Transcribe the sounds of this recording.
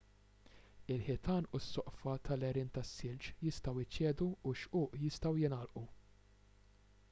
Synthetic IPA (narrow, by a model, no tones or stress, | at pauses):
ɪlħɪt̪ɐːnusːɔʔfɐt̪ʰɐlɛɾɪːnt̪ɐsːɪlt͡ʃjɪst̪ɐwɪt͡ʃːɛːd̪uːʃʔʊːʔjɪst̪ɐwjɪnɐlʔu